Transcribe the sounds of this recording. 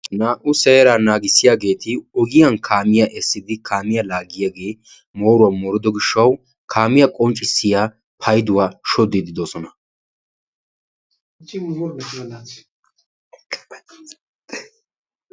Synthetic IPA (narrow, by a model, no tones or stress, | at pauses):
naːʔʊsɛːɾaːnaːɡɪsːɪjaːɡe̞ːt̪ɪɔɡɪjankʰaːmɪjaʔɛsːɪd̪ɪkʰaːmɪjɐlaːɡɪjaɡe̞ː | mo̞ːɾʊwɐmɔɾɪd̪ɔɡɪʃːɐw | kʰaːmɪjɐkʼɔnt͡ʃʼːɪsːɪjaː | pʰɐjd̪ʊwaːʃɔd̪ɪd̪ɪd̪ɔsɔnɐ